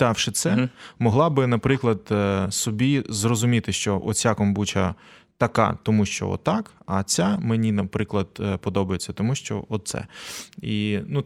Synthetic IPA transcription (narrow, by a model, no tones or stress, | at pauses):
ɑwʃɪt̪sɛmɔɦlˠɑbɪnɐpɾɪklˠɐd̪sɔbʲizrɔzʊmʲit̪ɪʃt͡ʃɔʔɔ̰t͡sʲakɔmbut͡ʃɐt̪ɐkɑ̰t̪ɔmuʃt͡ʃɔ̰ɔ̰t̪ːɑkɐt͡sʲamenʲinɐpɾɪklˠɐd̪pɔd̪ɔbɐjet͡sʲːɐt̪ɔmuʃt͡ʃɔ̰ɔt̪̚sɛ̰inu